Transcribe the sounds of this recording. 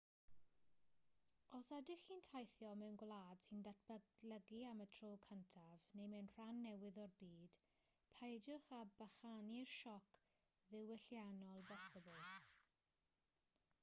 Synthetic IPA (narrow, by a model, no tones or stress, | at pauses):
ɔsadɪχintʰajθjɔmɛwnɡwlˠaːd̥sindat̚ʰbələɡiamətʰroːkʰəntʰavnejmɛwnr̥anːɛwɪðɔrbiːd̥ | pʰajd͡ʒʊχabaχanirʃɔkʰ | ðɪwɪɬjanɔlˠbɛsəbʊlˠ